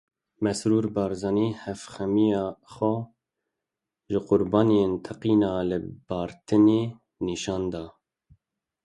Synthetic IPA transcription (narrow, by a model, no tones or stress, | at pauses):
mɛsɾuːɾbɑːɾzɑniːhɛfxɛmijɑːxʷɛ | ʒɪqʊɾbɑːnijent̪ʰɛqiːnɑːlɨb̥ɑːɾt̪ʰɨneː | niʃɑːnd̪ɑː